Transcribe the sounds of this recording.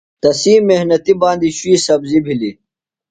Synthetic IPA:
t̪ɐsiːmehnɐt̪ibãːnd̪iɕuiːsɐbzibʱili

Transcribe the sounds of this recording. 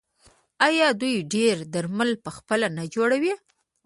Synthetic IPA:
ajɑd̪ujɖeɾd̪əɾməlpəxpəlanad͡ʒoɽawi

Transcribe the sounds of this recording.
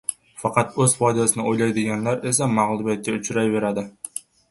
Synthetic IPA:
fɑqɑt̪ɵzfˠod̪ʲijasɯnɑojlˠɑjd̪eɡʲenleɾes̬emɑʁlˠɨbet̪̚kʲːeʊt͡ʃɾɑjbe̞ɾɑd̪ɪ

